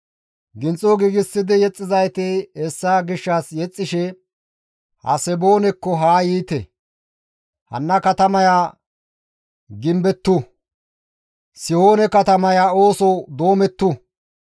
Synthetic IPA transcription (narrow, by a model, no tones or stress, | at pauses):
ɡɪnt͡sʼɔɡiɡɪsːɪd̪ɪjɛt͡sʼːɪzɐjt̪ehɛsːaːɡɪʃːasjɛt͡sʼːɪʃɛ | hɐ̰sɛboːnɛkːɔɦaːjiːt̪ɛ̰ | hɐ̰nːɐkɐt̪ɐmɐjaː | ɡɪmbɛt̪ːʊ | sɪho̞ːnɛkɐt̪ɐmɐjaːo̞ːsɔd̪o̞ːmɛt̪ːʊ